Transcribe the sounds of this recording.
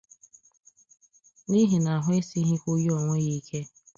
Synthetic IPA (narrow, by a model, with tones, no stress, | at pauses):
ni˦ɦi˨na˨a˨ɦʊ˦e˦si˦ɦɪ˦kʷo˦jɔ˨ŋʷe˦je˦i˦kʰe˦